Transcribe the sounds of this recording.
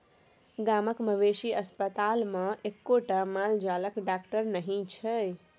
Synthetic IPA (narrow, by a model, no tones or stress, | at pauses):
ɡaːməkməʋeʃiəspət̪aːlmãʔekːoʈamald͡ʒaːləkɖaːkʈəɾnəɦĩt͡ʃʰəj